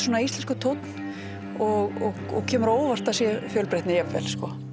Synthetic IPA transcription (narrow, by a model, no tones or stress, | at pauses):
swɔnaist̪ɛnskʏt̪ʰowt̪n̥ | ɔɣɔ | ɔ̰ɣcʰɛːmʏɾoːwvar̥t̪asjɛfjœːlpɾeht̪nɪjɛvːɛ̰l̥skɔ